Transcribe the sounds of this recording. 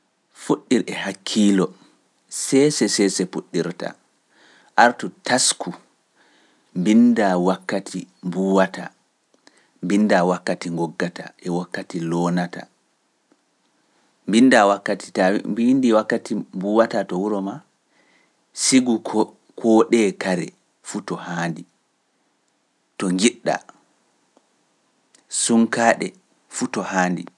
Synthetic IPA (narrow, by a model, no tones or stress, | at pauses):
fuɗːiɾɛhakʰːiːlɔ | sɛsɛsɛsɛpuɗːiɾta̰ | ʔaɾtutaskʰu | mbindawakːatʰimbuwata | mbindawakːatiŋɡɔɡːatʰa̰ʔɛwakːatilɔːnata̰ | mbindawakːati̥tabindiwakːatimbuwatatɔwuɾɔma | siɡu | kʰɔɗɛkaɾɛ̰ | futɔhaːndi | tɔŋɡiɗːa̰ | suŋkaːɗɛ̰ | futɔhaːndḭ